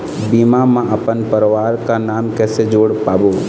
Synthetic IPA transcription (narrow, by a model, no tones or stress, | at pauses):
biːmamãʔɐpənpəɾʋaːɾkanaːmkɛːsed͡ʒoːɽpaːboː